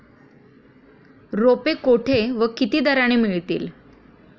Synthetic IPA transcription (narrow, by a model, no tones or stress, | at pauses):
ɾopekoʈʰeʋəkit̪iːd̪əɾaɳ̃imiɭt̪ḭːl